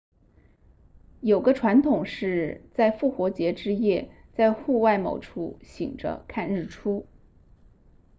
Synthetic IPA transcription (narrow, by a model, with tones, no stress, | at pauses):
jo˨˩ʊɡə˦ʈ͡ʂʰwa˧˥nt̪ʰʊ˨˩ŋʂɻ̩˥˧t͡sa˥˧ɪfu˥˩xwɔ˧˥t͡ɕjɛ˧˥ʈ͡ʂɻ̩˥jɛ˥˩t͡sa˥˧ɪxu˥˧wa˥˩ɪmo̰˨˩ʊʈ͡ʂʰu˥˩ɕḭ˨˩ŋʈ͡ʂə̰˦kʰa˥˧nɻ̩˥˩ʈ͡ʂʰu˥